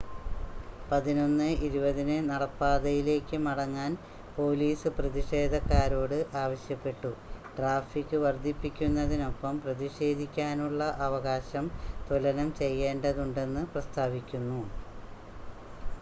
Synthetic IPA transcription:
pɐðino̞nːɨiɾubɐðinɨnɐɽɐpːaːðɐjile̞ːkːɨmɐɽɐŋːaːn | po̞ːliːsɨprɐðiʂe̞ːd̪ʱɐkːaːɾo̞ːɽɨʔaːʋɐɕjɐpːe̞ʈːuʈraːfikːɨʋɐrd̪ʱːipːikʲːunːɐðino̞pːɐmprɐðiʂe̞ːd̪ʱikʲːaːnuɭːɐʔɐʋɐɣaːɕɐmt̪ulɐnɐmt͡ɕe̞jːeːnɖɐðuɳɖe̞nːɨprɐst̪ʰaːʋikʲːunːu

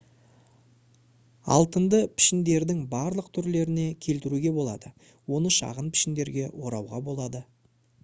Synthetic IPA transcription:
ɑ̰lˠt̪ənd̪əpʰɪ̥ʃɪnd̪e̞ɾd̪ɪŋbɑɾlˠəq̚t̪ʰʏɾle̞ɾɪne̞kʲʰe̞lt̪ɪɾuɡʲe̞bo̞lˠɑd̪ə | wo̞nəʃɑ̰ʁənpʰɪ̥ʃɪnd̪e̞ɾɡʲe̞wo̞ɾɑwʁɑbo̞lˠɑd̪ə

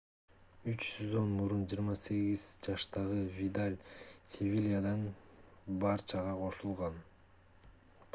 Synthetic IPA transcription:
yt͡ʃyzonmuɾund͡ʒiːɾmɑse̞ɡiz̥d͡ʒɑʃt̪ɑʁɯvʲid̪alʲsʲevʲilʲijad̪ɑn | bɑɾt͡ʃɑʁɑqʰo̞ʃulˠʁɑn

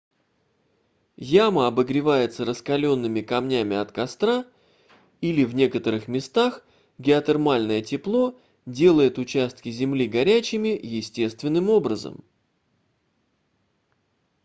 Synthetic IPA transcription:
jaməɐbəɡɾʲɪvajɪt̪səɾəskɐlʲo̞nːɨmʲɪkɐmnʲæmʲɪɐt̪kɐst̪ɾa | ilʲɪvnʲe̞kət̪əɾɨxmʲɪst̪ax | ɡʲɪɐt̪ɛrmalʲnəjətʲɪplˠo̞ | dʲe̞lˠəjɪt̪ʊt͡ɕæst̪̚kʲɪzʲɪmlʲiɡɐɾʲæt͡ɕɪmʲɪjɪsʲtʲe̞st̪vʲɪnːɨmo̞bɾəzə̰m

